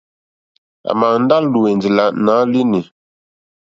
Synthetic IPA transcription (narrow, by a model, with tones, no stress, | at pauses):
a̰˨ma˨n̩˦da˦llu˨e˨nd͡zi˨la˨ʔnaː˨˦li˦ni˨